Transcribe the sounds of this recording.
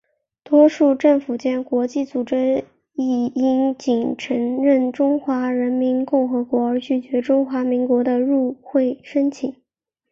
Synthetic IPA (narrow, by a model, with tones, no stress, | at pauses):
t̪wɔ˥ʂu˥˧ʈ͡ʂɤ˥˩ŋfu˨˩t͡ɕjɛ˥nkwɔ˧˥t͡ɕi˥˩t͡su˨˩ʈ͡ʂɻ̩˥ | i˥˩i˥nt͡ɕi˨˩ŋʈ͡ʂʰə˧˥ŋɻə˥˩nʈ͡ʂʊ˥ŋxwa˧˥ɻə˧˥nmi˧˥nkʊ˥˩ŋxɤ˧˥kwɔ˧˥ə˞˧˥t͡ɕy˥˩t͡ɕɥɛ˧˥ʈ͡ʂʊ˥ŋxwa˧˥mi˧˥ŋkwɔ˧˥d̪ə˧ɻu˥˧xwe˥˩ɪʂə˥nt͡ɕʰi˨˩˦ŋ